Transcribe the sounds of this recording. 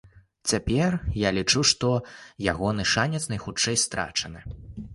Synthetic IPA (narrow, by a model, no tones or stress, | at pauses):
t͡sʲapʲɛrjalʲit͡ʂuʂt̪ɔjaɣɔnɨʂanʲɛt̪snɐjxut͡ʂːɛjst̪ɾa̰t͡ʂɐnɨ